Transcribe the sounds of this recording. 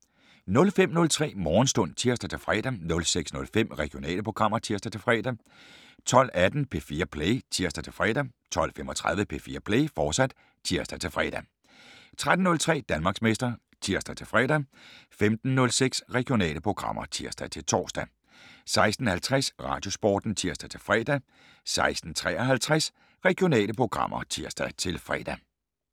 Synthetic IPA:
nɔ̽lfem̰nɔ̽lt͡sʰʁɛ̰ːmɒːn̩sd̥ɔ̽n̰t͡sʰiɐsd̥æt͡sʰe̝lfʁɛ̰ːd̥ænɔ̽lseɡ̥snɔ̽lfem̰ʁɛɡ̥io̝nɛ̰ːləpʰo̝ɡ̥ʁɑ̈m̰ɐt͡sʰiɐsd̥æt͡sʰe̝lfʁɛ̰ːd̥æ | t͡sʰɒ̽l̰æd̥n̩pʰe̝ːfiːɐpʰleɪt͡sʰiɐ̰sd̥æt͡sʰe̝lfʁɛːd̥æt͡sʰɒ̽l̰femɒt͡sʰʁäðˠʋəpʰe̝fiːɐpʰleːfɒ̥ːsæd̥ | t͡sʰiɐsd̥æt͡sʰe̝lfʁɛ̰ːd̥æ | t͡sʰʁad̥n̩nɔ̽lt͡sʰʁɛ̰ːd̥ænmɑ̈ːɡsmesd̥ɐ | t͡sʰiɐ̰sd̥æt͡sʰe̝lfʁɛ̰ːd̥æfemd̥n̩nɔ̽lseɡ̥sʁɛɡ̥jo̝nɛ̰ːləpʰʁo̝ɡ̥ʁɑ̈mʔɐ̰t͡sʰiɐsd̥æt͡sʰe̝lt͡sʰɒ̰ːsd̥æ | sɑ̈ɪsd̥n̩hælt͡sʰʁasʁɑ̰̈ːd̥jo̝sb̥ɒ̰ːd̥n̩t͡sʰiɐ̰sd̥æt͡sʰe̝lfʁɛːd̥æ | sɑ̈ɪsd̥n̩t͡sʰʁɛ̰ːɒɦælt͡sʰʁas | ʁɛɡ̥jo̝nɛ̰ːləpʰʁo̝ɡ̥ʁɑ̈m̰ɐt͡sʰiɐsd̥æt͡sʰe̝lfʁɛ̰ːd̥æ

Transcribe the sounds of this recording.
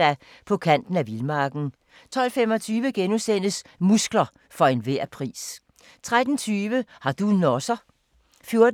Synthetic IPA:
æ | pʰɒ̽kʰæn̰d̥n̩æʋilmɑ̈ːɡ̥n̩ | t͡sʰɒ̽l̰fem̰ɒ̽t͡sʰyːʋəɡ̥enusen̰əsmusɡ̥lɐ | fɒ̽e̝nʋeɐ̰pʰʁḭːs | t͡sʰʁad̥n̩t͡sʰyːʋəhɑ̈d̥unɒsɐ | fjo̝ɐd

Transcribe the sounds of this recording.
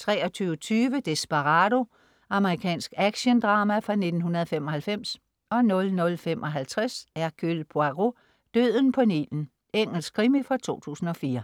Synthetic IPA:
t͡sʰʁɛːɒ̽t͡sʰyːʊət͡sʰyːʋəd̥e̝sb̥ɑʁɑɾo̝ | ɑ̈məʁikʰɛ̰ːnsɡ̥æɡ̥ɕənd̥ʁɑːmæfʁɑ̈ne̝d̥n̩ɦunɐð̞ˠɒfem̰ɒ̽hælfem̰s | ɒ̽nɔ̽lnɔ̽lfem̰ʔɒ̽ɦælt͡sʰʁɛsæɐɡ̥ylpʰoɑʁo | d̥øð̰ˠn̩pʰɒ̽nḭln̩ | eŋ̰l̩sɡ̥kʰːʁimifʁɑ̈t͡sʰo̝̰ːt͡sʰṵːsn̩ɒ̽fiːɐ

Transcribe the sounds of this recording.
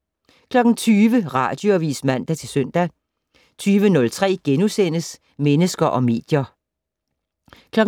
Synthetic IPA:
kʰlɒ̽ɡ̥n̩t͡sʰyːʋəʁɑ̈ːd̥joæʋḭːsmæn̰d̥æt͡sʰe̝lsøn̰d̥æ | t͡sʰyːʋənɔ̽lt͡sʰʁɛ̰ːɡ̥enusen̰əs | menəsɡ̥ɐʔɒ̽me̝̰ːd̥jɐ | kʰlɒ̽ɡ̥

